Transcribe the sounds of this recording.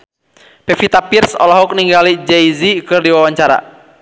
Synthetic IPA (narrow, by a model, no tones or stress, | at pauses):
pɛfit̪apirsɔ̰lɔɦɔk̚niŋɡalid͡ʒɛizikɨrdiwawaɲt͡ʃaɾa̰